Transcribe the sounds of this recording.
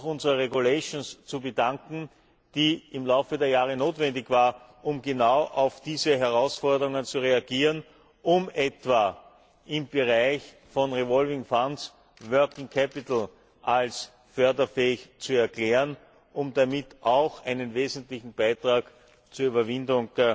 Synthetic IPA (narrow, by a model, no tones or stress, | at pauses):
xʊnzəʁɐʁeɡuleʃnst͡subədaŋkŋ̩ | d̥iːɪmlaʊfədeːɐjaːʁənoːtv̥ɛndɪçv̥aːɐ | ʔʊmɡenaʊʔɑʊfd̥iːzəɦɛɐʁaʊsfɔɐdəʁʊŋənt͡suʁeaɡiːʁən | ʔʊmɛtv̥a | ʔɪmb̥əʁaɪç | fɔnʁevɔlvɪŋfans | vœɐkɪŋkʰɛpɪt̪l̩ | ʔals | fœɐdɐfɛːɪçt͡suɛɐkleːʁən | ʔʊmdamɪtʔɑʊxʔæɪnənveːzən̩tlɪçn̩b̥aɪtʁ̥aːk | t͡suɐyːbɐvɪndʊŋ